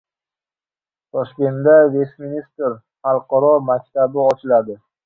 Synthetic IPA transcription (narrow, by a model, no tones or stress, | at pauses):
t̪ʰɒʃkʲe̞nt̪d̪avesminist̪ɾ | χɑlˠqɑɾɒmak̚ʲt̪ʰabɪɒt͡ʃʰɪlad̪ɪ